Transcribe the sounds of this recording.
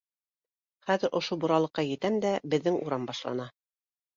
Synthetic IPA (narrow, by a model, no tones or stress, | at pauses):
χæðɘɾʔŏʃobŏɾɑlˠɤ̆qːɑjɘ̆t̪æmd̪æbɘ̆ðːɘŋuɾɑmbɑʃlˠɑ̰nɑ